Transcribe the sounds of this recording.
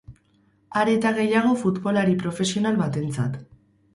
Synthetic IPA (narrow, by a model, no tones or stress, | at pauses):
aɾe̞t̪aɣe̞jaɣ̞o̞fut̪bo̞laɾipɾo̞fe̞sio̞nalβat̪e̞nt͡sa̰t̪